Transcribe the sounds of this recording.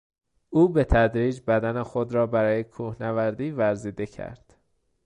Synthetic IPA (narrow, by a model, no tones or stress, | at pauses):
ʔuːbe̞t̪ʰæd̪ɾiːd͡ʒbæd̪ænexod̪ɾɒːbæɾɒːjekʰuːhnævæɾd̪iːvæɾziːd̪e̞cʰæ̰ɾd̪̥